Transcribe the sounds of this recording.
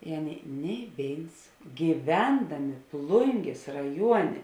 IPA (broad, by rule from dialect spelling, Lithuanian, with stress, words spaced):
ɪ ˈɑːˌnʲeːɪ nʲɛɪ ˈʋʲeːɪns ɡʲiːˈʋʲɛndɐmʲeː ˈplˠʊŋʲɡʲeːs rɐˈjuɔnʲeː